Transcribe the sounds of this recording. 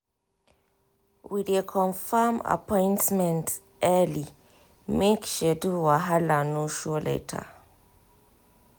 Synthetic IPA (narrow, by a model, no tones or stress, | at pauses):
widekʰɔ̃nfama̰pɔ̃jntmɛ̃nt | ʔɛli | mekʃɛduwaɦalanoʃolḛtʰa̰